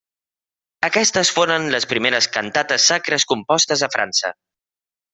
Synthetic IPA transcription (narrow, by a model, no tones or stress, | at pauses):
əkɛst̪əsfoɾənləspɾimeɾəskənt̪at̪əsːakɾəskumpɔst̪əzəfɾʔa̰nsə̰